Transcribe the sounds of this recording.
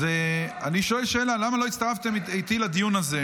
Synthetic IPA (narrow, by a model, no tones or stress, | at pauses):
eaniʃo̞elʃeelalamalo̞it̪st̪aʁaft̪e̞mejt̪ilad̪ijunaze